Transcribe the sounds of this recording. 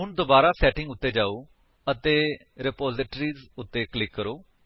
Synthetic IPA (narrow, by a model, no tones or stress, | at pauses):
ɦʊnd̪oːbaːɾaːsɛːʈɪ̃ŋɡʊt̪ːeːd͡ʒaːoː | ət̪eː | ɾɪpoːzɪʈɾiːzʊt̪ːeːklɪkːəɾoː